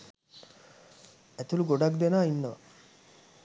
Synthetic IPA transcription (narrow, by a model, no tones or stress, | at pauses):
æt̪uluɡoɖakd̪enaːinːəʋɐ̰